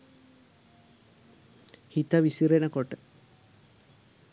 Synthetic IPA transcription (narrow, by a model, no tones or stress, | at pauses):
hit̪əʋisiɾenəkoʈə